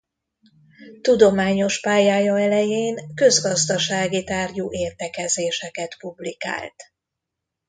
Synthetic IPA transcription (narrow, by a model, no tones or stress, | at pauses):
t̪ud̪o̞maːɲo̞ʃpaːjaːjɒɛlɛjeːnkø̞zɡɒzd̪ɒʃaːɡit̪aːrjuːʔeːrt̪ɛkɛzeːʃɛkɛt̪publika̰ːlt̪